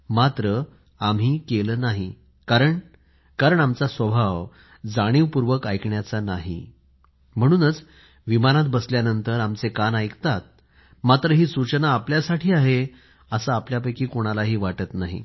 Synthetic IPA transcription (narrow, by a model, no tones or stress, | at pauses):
mat̪ɾə | amɦiːkeləːnaɦi | kaɾəɳ | kaɾəɳamt͡sasʋəbʱaʋ | d͡zaɽ̃iːʋpuɾʋəkajkɳjat͡sanaɦḭ | m̤əɽ̃uːnət͡s | ʋimanat̪̚bəsljanənt̪əɾamt͡sekanajkt̪at̪̚ | mat̪ɾəɦiːsut͡ɕənaːpljasaʈʰiːaɦe | əsaapljapəjkiːkoɽ̃alaɦiːʋaʈət̪naɦḭ